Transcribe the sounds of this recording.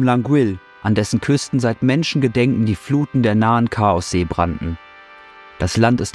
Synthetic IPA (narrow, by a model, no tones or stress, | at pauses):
mlaŋɡwɪl | ʔandɛsn̩kʰʏstn̩zaɪtmɛnʃn̩ɡədɛŋkŋ̩diːfluːtn̩deːɐnaːənkʰaːɔsz̥eːbʁa̰ntn̩ | d̥aslantɪst